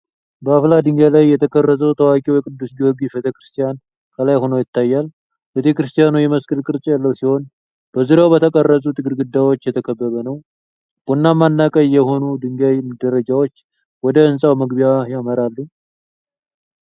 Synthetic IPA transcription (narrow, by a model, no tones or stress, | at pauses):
bəaflad̪ɨŋɡalajːɛt̪ʰəkʰʼərːəsʼəwt̪ʰəwakʼiwjɛkʼɨd̪ːusɡiwɔɡifet̪ʰekɾɨst̪ʰʼijan | kʰəlajho̞nəwjɪt̪ːajːal | bet̪ʰekɾɨst̪ʰijanujɛməskʼɨlkʼɨɾt͡ʃʼjalːəwsiho̞n | b̥əzɨɾawbət̪ʰəkʼərːəsʼut̪ʰɨɡɨɾɡɨd̪ːawot͡ʃːjɛt̪ʰəkʰəbːəβənəw | b̥onːamːanːakʼəjːɛho̞nud̪ɨŋɡajmd̪əɾəd͡ʒawot͡ʃː | wɔd̪əɨnsʼawməɡbijajaməɾalːu